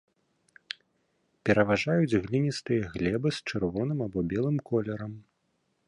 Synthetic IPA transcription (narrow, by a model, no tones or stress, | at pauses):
pʲɛɾɐvaʐajud͡zʲɣlʲinʲist̪ɨjɐɣlʲɛbɨst͡ʂɨrvɔnɨmabɔbʲɛlˠɨmkɔlʲɛɾɐm